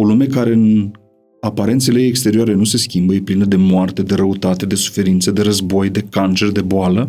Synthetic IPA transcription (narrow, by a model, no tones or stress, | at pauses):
o̞lume̞kaɾe̞ɨn | apaɾe̞nt̪sele̞ːkst̪e̞ɾioaɾe̞nuse̞skʲimbəjeplinəd̪e̞moart̪e̞d̪e̞ɾəut̪at̪e̞d̪e̞su̥fe̞ɾint̪səd̪e̞ɾəzbo̞jd̪e̞kant͡ʃe̞rd̪e̞boalə